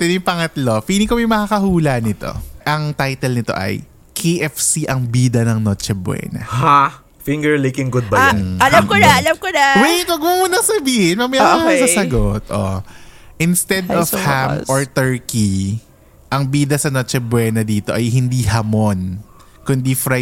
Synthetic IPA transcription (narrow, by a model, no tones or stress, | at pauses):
t̪ɪnipɐŋɐt̪lofiːnɪkomɛjmɐkakɐhuːlɐnɪt̪o̞̰ʔɐŋt̪ajt̪ɛlnɪt̪o̞̰ʔɐ̰j | kʰeʔɛfsiʔɐŋbiːd̪ɐnɐŋnot͡ʃɛbwɛ̰ːnɐ̰ha | fɪŋɡɛɹlekɪŋɡʊd̪̚bɐɐlamkonaɐlɐmkonawɛj̪wɐɡmumʊnɐsɐbiːhɪnmɐmɐjaasɐsɐɡot̪̚ʔo̰ʔɪnst̪ɛd̪ɔfhamoɹt̪ɛɹki | ʔɐŋbiːd̪ɐsɐnot͡ʃɛbwɛːnɐd̪iːt̪oʔɐjɦɪnd̪iɦɐmon | kʊnd̪ifɾa